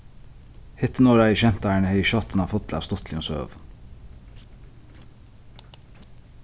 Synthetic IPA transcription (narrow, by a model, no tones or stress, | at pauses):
hɪt̪ənoːɾæːiːʃɛnt̪æɪɳəheɪʃɑt̪ənɑːfɔt̪ʰlɑ̰ʋst̪ɔt̪ʰlionsø̰ːʋ